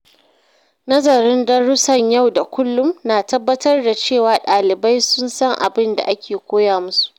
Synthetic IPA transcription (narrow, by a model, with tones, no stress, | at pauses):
nɐ˦zɐ˨ɾɪ˦ndɔ˦ɽʊ˦sɐ˨ɲja˦˨wda˨kʷʰʊ˦lːʊ˦mnaː˨tɐ˦bːɐ˦tɐ˦rda˨t͡ʃeː˦˨waː˨ɗaː˨lɪ˨ba˦jsʊ˦nsɐ˦ŋʔa̰˨bɪ˦nda̰˨ʔa˦kʲʰeː˨kʷoː˦jaː˨mʊ˦su̥˨ʔ